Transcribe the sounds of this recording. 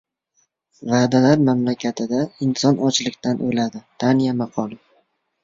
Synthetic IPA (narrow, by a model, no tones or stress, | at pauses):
vaːd̪alaɾmamlakʲʰat̪ʰɪd̪aɪnsɒnɒt͡ʃlɪkʲt̪ʰanʔolad̪ɪd̪̥anijamaqʰɒl